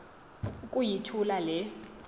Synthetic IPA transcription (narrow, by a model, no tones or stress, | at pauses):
kʼujitʰulalɛ